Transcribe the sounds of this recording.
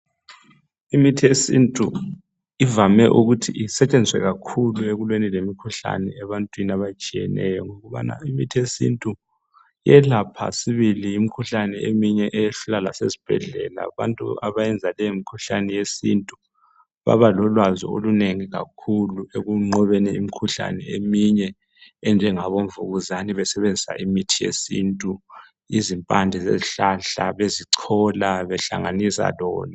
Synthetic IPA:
imitʰiesḭntʼu | ivamɛʔuɣutʰḭisɛt͡ʃʼend͡zʱiswɛ̰ɣakʰulueɣulwenilemikʰuɬa̰nɛɛβantʼwiniaβat͡ʃʼijɛ̰nɛjɔŋoɣuβa̰na̰imitʰiesḭntʼu | jɛlapʰa̰siβiliːmikʰuɬanɛemiɲɛʔɛjeɬulalasezi̥b̥ʱɛ̰ɮɛ̰la̰βa̰ntʼṵa̰βajɛnd͡zʱalɛemikʰuɬanɛjesintʼu | βa̰βalɔlwazɔ̰oluneŋiɣa̰kʰulueɣuŋ͡ǃɔβɛnɛimikʰuɬa̰nɛ̰emiɲɛ | ɛnd͡ʒʱɛŋaβoɱvuɣuzaniβɛsɛβend͡zʱisa̰ʔimitʰijḛsḭntʼu | izimpʼandʱɛzḛziɬaɬaβeziǀʰɔlaβɛɬa̰ŋanisa̰lɔːlɔ

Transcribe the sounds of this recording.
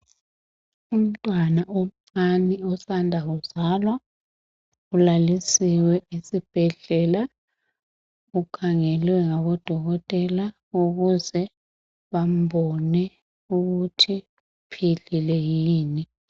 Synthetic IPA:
um̩tʼwanaʔom̩ŋ͡ǀaniɔsandʱauzalwa | ulalisiwɛisib̥ʱɛɮɛla | ukʰaŋɛlwɛŋaβɔd̥ʱɔɣɔtʼɛla | uɣuzɛ | βam̩bɔnɛ | uɣutʰi | pʰiɮilɛjiːni

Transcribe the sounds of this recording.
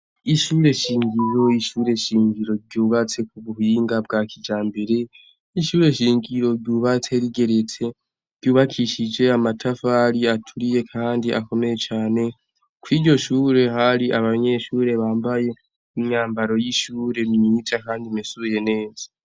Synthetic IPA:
iʃuːɾe̞ʃiːŋɡiɾo̞iʃuːɾe̞ʃiːŋɡiɾo̞ɾɟuːβat͡se̞k̚uβuhiːŋɡab̚ɡakid͡ʒaːmbe̞ɾe̞ | iʃuːɾe̞ʃiːŋɡiɾo̞ɾɟuːβat͡se̞ɾiɡe̞ɾet͡se̞ | ɾɟuːβakʰiʃid͡ʒe̞amatʰafaɾiatʰuɾije̞kʰaːndiʔa̰ko̞me̞je̞t͡ʃaːne̞ | kwiːɟo̞ʃuːɾe̞haɾiʔaβaɲe̞ʃuːɾe̞βaːmbaje̞ | imɲaːmbaɾo̞jiʃuːɾe̞mɲiːd͡ʒakaːndimisuje̞ne̞ːzḁ

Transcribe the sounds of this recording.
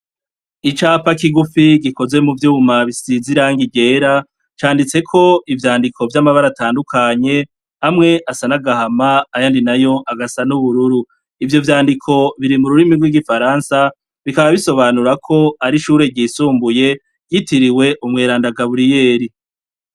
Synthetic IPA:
it͡ʃaːpakiɡufiɡiko̞zwe̞muvjuːmaβisiziɾaːŋɡiɟe̞ːɾa | t͡ʃaːndit͡se̞kʰo̞ivjaːndikʰo̞vjamaβaɾataːndukʰaɲe̞ | amŋe̞ʔasanaɡahamaːjaːndinajo̞ʔaɡasanuβuɾuɾu | ivjo̞vjaːndikʰo̞βiɾimuɾuɾimiɡwiɡifaɾaːnsa | βikaβaβiso̞βanuɾakʰo̞aɾiʃuːɾe̞ɟiːsuːmbuje̞ | ɟitʰiɾiwe̞ʔumŋeːɾaːndaɡaβuɾije̞ːɾi

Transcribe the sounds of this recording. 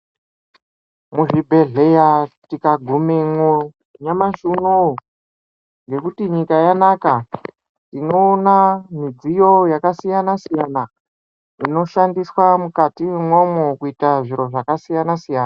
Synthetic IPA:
muʐibʱe̞ɮe̞jatikaɡʱumemo | ɲamaʃuno | ŋɡe̞kutiɲikajanaka | tino̞ːnamid͡zijo̞jakasijanasijana | ino̞ʃandiswamukatimwomokuitaʐiɾo̞ʐakasijanasijaːna

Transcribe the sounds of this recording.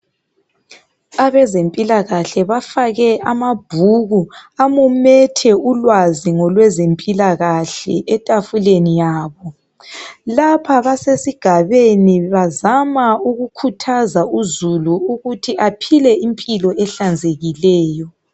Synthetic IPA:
aβɛzempʼilaɣaɬɛβafaɣɛʔamab̥ʱuɣuamumɛtʰɛulwaziŋɔlwɛzempʼilaɣaɬɛ̰ʔɛtʼafulenijaːβɔ | lapʰaβasesiɡ̥ʱaβeniβazamauɣukʰutʰazauzuluuɣutʰiapʰilɛimpʼilɔɛɬand͡zʱeɣilɛːjɔ

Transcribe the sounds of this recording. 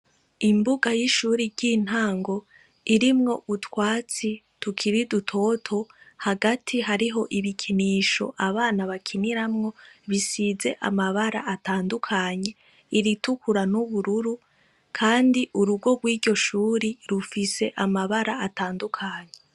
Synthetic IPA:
imbuɡajiʃuːɾiɾɟin̥haːŋɡo̞ | iɾimŋo̞̰ʔutwaːt͡si | tukʰiɾidutʰo̞ːtʰo̞haɡatʰiɦaɾiɦo̞ʔiβikʰiniːʃo̞̰ʔaβaːnaβakʰiniɾamŋo̞βisize̞ʔa̰maβaɾa̰ataːndukʰaːɲe̞ | iɾitukuɾanuβuɾuɾu | kʰaːndiʔuɾuɡo̞ɡ̚wiːɟo̞ʃuːɾiɾufise̞̰ʔamaβaɾaataːndukʰaɲe

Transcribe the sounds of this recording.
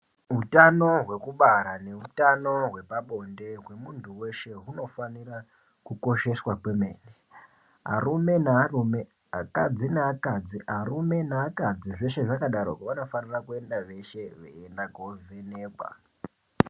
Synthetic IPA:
ɦutano̞ɦwe̞kuɓaɾane̞utano̞ɦwe̞paɓo̞nde̞ɦwe̞muntuwe̞ʃe̞ɦuno̞fanira | kuko̞ʃe̞swakwe̞me̞ːne | ɦa̰rume̞narume | ɦakad͡zinaakad͡ziɦarume̞naːkad͡ziʐe̞ʃe̞ʐakaɗaɾo̰kʋano̞fanirakue̞ndaʋe̞ʃe̞ʋḛendaɡʱovene̞ːɓa̰

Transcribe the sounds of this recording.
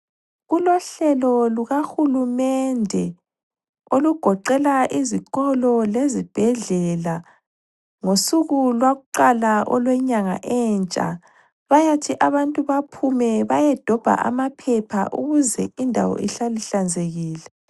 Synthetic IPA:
ɣulɔɬɛlɔluɣaxulumɛndʱɛ | oluɡ̥ʱɔǃɛlaʔiziɣɔlɔlezib̥ʱɛɮɛla | ŋosuɣulwaɣuǃalaʔɔ̰lwɛɲaŋa̰ʔɛnt͡ʃʼa̰ | βajatʰiʔaβantʼuβapʰumɛβajɛd̥ʱɔb̥ʱa̰ʔa̰mapʰɛpʰaʔṵɣuzɛ̰indʱa̰wɔ̰ʔiɬaliɬand͡zʱeɣiːlɛ

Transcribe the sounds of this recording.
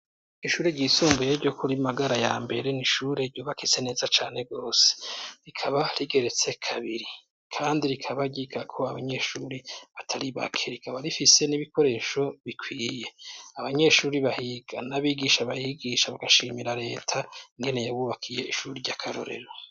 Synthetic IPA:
iʃuːɾeɾɟiːsuːmbujeɾɟokʰuɾimaɡaɾajaːmbe̞ɾe̞niʃuːɾeɾɟuːβakit͡se̞ne̞ːzat͡ʃaːne̞ɡo̞ːse̥ɾikʰaβaɾiɡe̞ɾet͡se̞kʰaβiɾi | kʰaːndiɾikʰaβaɟiɡakʰo̞aβaɲe̞ʃuːɾiβatʰaɾiβa̰kʰe̞ɾikʰaβaɾifise̞niβiko̞ɾe̞ʃo̞βikwiːje̞aβaɲe̞ʃuːɾiβahiɡanaβiːɡiʃaβajiɡiʃaβaɡaʃiːmiɾaɾe̞ːtʰaiŋɡe̞ne̞jaβuβakʰije̞̰ʔiʃuːɾiɾɟakʰaɾo̰ɾe̞̰ɾo

